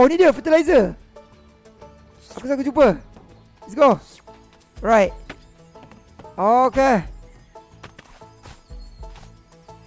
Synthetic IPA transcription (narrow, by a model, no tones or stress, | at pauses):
wnidəfətilajzə | akusakud͡ʒupə | isɡo | ɹajt̚ | ooke